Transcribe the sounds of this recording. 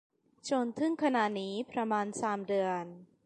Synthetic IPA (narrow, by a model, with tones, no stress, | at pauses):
t͡ɕʰo˧nt̪ʰɯ˥˩ŋkʰa˧na˧˩niː˦˥pɾa˧maː˧nsaː˩˦mdɯ˧ən